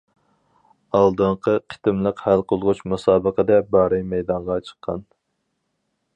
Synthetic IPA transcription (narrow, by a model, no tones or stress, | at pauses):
ɑlˠd̪ɨɴqʰəqʰe̥t̪ɪmlˠəqhælqʰolˠʁʊt͡ʃmusɑːbəqəd̪ɛbɑːɾɨjmɛjd̪ɑɴʁɑt͡ʃʰə̥qʰːɑn